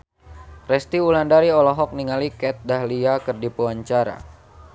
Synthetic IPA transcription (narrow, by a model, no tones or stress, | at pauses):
rɛst̪iulandaɾiɔlɔɦɔk̚niŋalikɛt̪̚daɦliakərdipuwaɲt͡ʃaɾa̰